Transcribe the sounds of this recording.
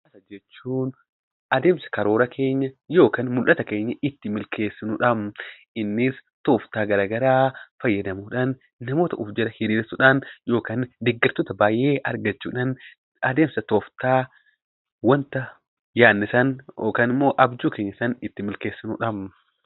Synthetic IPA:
ɐsɐd͡ʒɛt͡ʃːuːn | ʔɐd̪e̞ːmsɐ̥kɐɾo̞ːɾɐkʰe̞ːɲːɐjo̞ːkaːnmʊlʔɐt̪ɐke̞ːɲːɐʔɪt̪ːɪmɪlkʰe̞ːsːɪnʊᶑɐm | ɪnːɪs | t̪oːft̪aːɡɐɾaːɡɐɾaːfɐjːɐd̪ɐmuːᶑanː | ɐmo̞ːt̪ɐʊfd͡ʒɛɾɐhɪɾiːɾsʊᶑanjo̞ːkaːnd̪ɛɡːɐɾt̪oːt̪ɐbaːjʔeːʔɐ̰ɾɡɐt͡ʃːuːᶑan | ɐd̪e̞ːmsɐt̪oːft̪aː | wɐnt̪ɐ | jaːnːɪsɐnoːkaːnɪmːo̞ːʔɐbd͡ʒuːke̞ːɲːɐsɐnɪt̪ːɪmɪlkeːsːɪnʊ̰ᶑɐm

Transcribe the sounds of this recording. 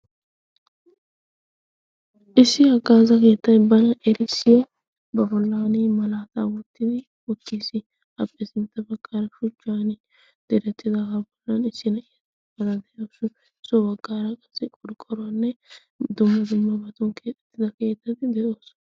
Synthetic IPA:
ʔɪsːɪɐɡaːzɐke̞ːt̪ːɐnbɐnɐʔɛɾɪsɪjɔ | bɐbɔlːaːnɪmɐlaːt̪a̰ːwɔt̪ːɪd̪ɪ | ʊt̪ːiːsɪ | ɐpʼːɛsɪnt̪ːɐbɐɡːaːɾɐʃʊt͡ʃːaːnɪ | d̪̥ɛɾɛt̪ːɪd̪ɐɡabɔlːɐnɪsːɪnɐɪjt̪ː | bɐd̪ɐd̪ɛʔoːsʊ | ɪsɔbɐɡːaːɾɐkʼɐsːɪkʼɔɾkʼɔɾʊɐnːɛ | d̪ʊmːɐd̪ʊmːɐbɐt̪ɔnkʰeːt̪ʼɛt̪ːɪd̪ɐke̞ːt̪ːɐt̪ɪd̪ɛʔoːs

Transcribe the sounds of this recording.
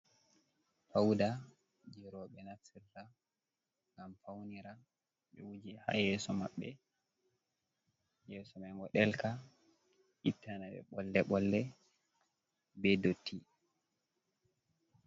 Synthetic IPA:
fawda | d͡ʒiɾɔɓɛnasirːa | ŋɡamfawniɾa | ɓɛ̰wud͡ʒiha̰jɛːsɔma̰ɓːɛ | jɛːsɔmajŋɡɔɗɛlka | ʔitʰːanaɓɛ̰ɓɔlːɛɓɔlːɛ | bɛdotʰːi

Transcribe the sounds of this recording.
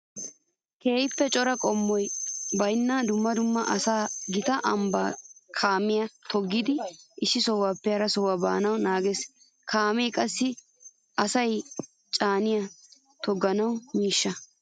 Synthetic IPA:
ke̞ːjɪpːɛt͡ʃʼɔɾɐkʼɔmːɔjbɐjnːɐd̪ʊmːɐd̪ʊmːɐʔɐsaːɡɪt̪ɐʔɐmbaːkʰaːmɪjɐt̪ʰɔɡːɪd̪ɪɪsːɪsɔwaːpːɛhɐɾɐsɔwaba̰ːnɐwnaːɡes | kʰaːmejkʼɐsːɪ | ɐsɐj | t͡ʃʼaːnɪjɐ | t̪ɔɡɐnɐwmiːʃːɐ

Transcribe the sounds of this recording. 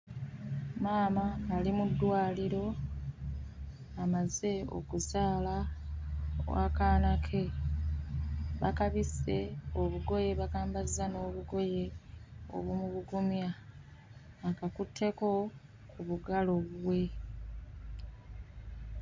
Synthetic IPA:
maːmaːlimudːwaːliɾo̞ | amaze̞o̞̰kuzaːla | wa̰kaːnakʰe̞ | βakaβise̞oβuɡo̞je̞βakaːmbazano̞ːβuɡo̞je̞o̰βumuβuɡumja | kakutʰːe̞ko̞ | kuβuɡalo̞βuwe̞

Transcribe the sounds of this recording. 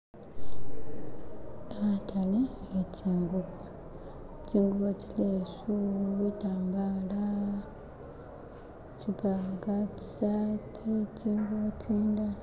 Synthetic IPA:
atʰaleecʰiːŋɡuβo | ciːŋɡuβocileːsuitaːŋɡaːla | cipaɡaci̥satʰicʰiːŋɡuβocʰiːnda

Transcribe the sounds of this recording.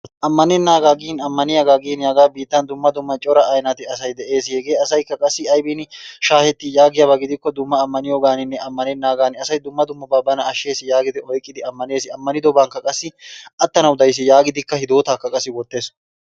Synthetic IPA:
ʔɐmːɐnɛnːaːɡaːɡiːnɐmːɐnɪjɐɡaːɡiːnjaːɡaːbiːt̪ːɐnd̪ʊmːɐd̪ʊmːɐt͡ʃʼɔɾɐʔɐjnɐt̪ɪɐsɐjd̪ɛʔe̞ːshɛɡe̞ːɐsɐjkːɐkʼɐsːɪɐjbiːnʃaːhɛt̪ːɪjaːɡɪjɐbɐɡɪd̪ɪkːɔd̪ʊmːɐːmːɐnɪjoɡaːnɪnːɛʔɐmːɐnɛnːaːɡaːnɪɐsɐjd̪ʊmːɐd̪ʊmːɐbabːɐnɐɐʃːe̞ːsɪjaːɡɪd̪ɪɔjkʼːɪd̪ɪɐmːɐne̞ːsɪɐmːɐnɪd̪ɔbaːŋkːɐkʼɐsːɪʔɐt̪ːɐnɐwd̪ɐjs̬ɪjaːɡɪd̪ɪkːɐhɪd̪o̞ːt̪aːkːɐkʼɐsːɪwɔt̪ːe̞ːs

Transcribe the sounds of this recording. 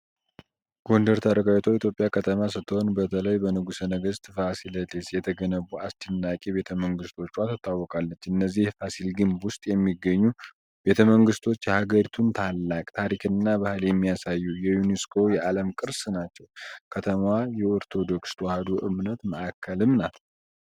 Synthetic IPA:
ɡ̥o̞nd̪əɾt̪ʰaɾəɡawt̪ʰoit̪ʰjo̞pʼːjakʰət̪ʰəmasɨt̪ʰːəho̞nbət̪ʰələjbənɨɡusənəɡəzt̪ʰɨfasilət̪ʰesjɛt̪ʰəɡənəβuʔast͡ʃɪnːakʼiβe̞t̪ʰəməŋɡɨst̪ʰo̞t͡ʃːwat̪ʰɨt̪ːawːɔkʼalːət͡ʃːɨnːəzːihfasilɡɨmbwʊst̪ʼjɛmːiɡːəɲːu | b̥e̞t̪ʰəməŋɡɨst̪ʰo̞t͡ʃːjɛhaɡəɾit̪ʰunt̪ʰalːakʼt̪ʰaɾikʰɨnːabahɨljɛmːijasajːujɛjuneskʰo̞jɛʔaləmkʼɨɾsnat͡ʃːɛwkʰət̪ʰəmwajɛoɾt̪ʰo̞d̪o̞kst̪ʰwahad̪uʔɨmnət̪məʔakʰːəlɨmnat̪ʰ

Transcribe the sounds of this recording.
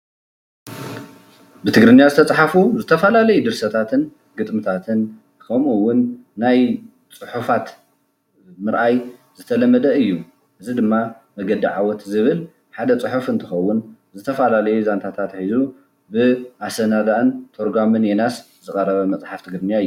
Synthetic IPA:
bɨt̪ʰɨɡɾɨnjazɨt̪ʰɐt͡sʼħafuzɨt̪ʰɐfalalɐjud̪ɨɾsɐt̪ʰat̪ʰɨn | ɡɨt̪ʼmɨt̪ʰat̪ʰɨn | kʰɐmuwːʊnː | aj | t͡sʼɨħufat̪ | mɨɾʔajzɨt̪ʰɐlɐmːɐd̪ɐɨjːu | ʔɨzid̪ɨmːa | mɐɡɐd̪iʕawɔt̪zɨβɨl | ħad̪ɐt͡sʼɨħufɨnt̪ʰɨxɐwːʊn | zɨt̪ʰɐfalalɐjuzant̪ʰat̪ʰat̪ħizu | bɨʔasɐnad̪aʔɨnt̪ʰoɾɡamɨnjenas | zɨkʼɐɾɐβɐmɐt͡sʼħaft̪ʰɨɡɾɨnjaɨjːu

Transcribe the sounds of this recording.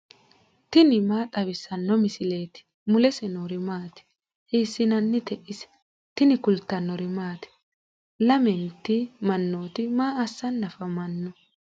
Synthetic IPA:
t̪ɪnɪmaːt̪ʼɐbɪsɐnːɔmɪsɪle̞ːt̪ɪ̥ | mʊlɛsɛnoɾɪmaːt̪ɪ̥ | heːsːɪnɐnːɪt̪ɛʔɪsɛ̥ | t̪ɪnɪkʊlt̪ːɐnːɔɾɪmaːt̪ɪ̥ | lɐmɛnt̪ːɪmɐnːoːt̪ɪmaːɐsːɐnːɐfɐmɐnːɔ

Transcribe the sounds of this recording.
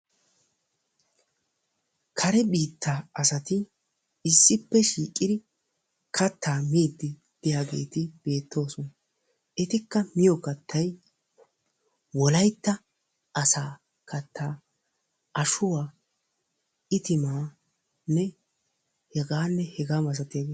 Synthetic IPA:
kʰɐɾɛbiːt̪ːaːɐsɐt̪ɪ | ɪsːɪpːɛʃiːkʼːɪd̪ɪ | kʰɐt̪ːaːmiːd̪ːɪ | d̪̥ɪjaːɡe̞̰ːt̪ɪb̥e̞ːt̪ːo̞ːsɔn | ɛt̪ɪkːɐmɪjɔkɐt̪ʰːɐj | wɔlɐjt̪ːɐ | ɐsaː | kɐt̪ʰːaː | ɐʃʊwaː | ɪt̪ɪmaː | nːɛ | hɛɡaːnːɛhɛɡaːmɐs̬ɐt̪ːɪjaːɡeː

